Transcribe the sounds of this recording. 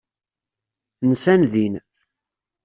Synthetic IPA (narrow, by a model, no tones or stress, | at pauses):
nəsænðin